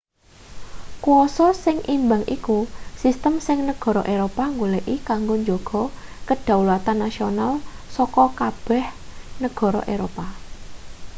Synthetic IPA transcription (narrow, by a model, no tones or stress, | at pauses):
kuɔsɔsɪŋʔimbaŋʔḭkusist̪əmsɪŋnəɡ̥ɔ̤ɾɔʔeɾopaŋɡuleʔikaŋɡoɲd͡ʒɔɡ̥ɔ̤kəɖ̥ä̤wlat̪anːasionalsɔkɔkab̥ɛ̤hnəɡ̥ɔ̤ɾɔ̰ʔeɾopa